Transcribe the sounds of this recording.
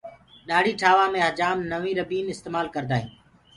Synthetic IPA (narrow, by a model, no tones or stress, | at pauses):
ɗaːɽiːʈʰaːʋaːmẽːɦəd͡ʒaːmnəʋĩːɾəbiːnɪst̪eːmaːlkəɾd̪aːɦḭ̃ː